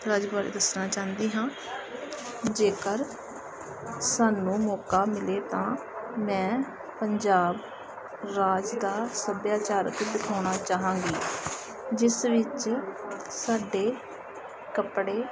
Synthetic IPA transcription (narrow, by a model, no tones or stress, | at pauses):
ɾaːd͡ʒbaːɾḛːd̪əsnaːt͡ʃaːnd̪iːɦãː | d͡ʒeːkəɾ | saːnũːmɔːkaːmɪleːt̪ãːmɛ̃ː | pəɲd͡ʒaːb | ɾaːd͡ʒd̪aːsəb̪jaːt͡ʃaːɾə̰kd̪ɪkʰaːɳ̃aːt͡ʃaːɦãːŋɡiː | d͡ʒɪsʋɪt͡ʃ | saːɖeː | kəpɽeː